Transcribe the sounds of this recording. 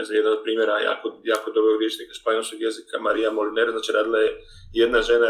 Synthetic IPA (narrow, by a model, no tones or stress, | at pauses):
zajed̪anod̪̚pɾiːmjeɾaja̰ːkojaːkod̪obɾoɡɾjeʃnikaspojnosoɡjezikamaɾijamolineɾaznaːt͡ʃiɾaːd̪ilˠaje | jed̪naʒena